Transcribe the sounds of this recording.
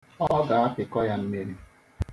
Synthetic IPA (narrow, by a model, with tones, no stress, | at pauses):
ɔ˦ɡa˨a˦kɪ˨kɔ˦ja˦n̩˦ne˦ne˨